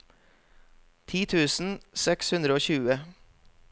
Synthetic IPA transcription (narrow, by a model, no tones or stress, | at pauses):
t̪ʰiːt̪ʰʉːsn̩sɛkshʉnd̪ɾəoːçʉːə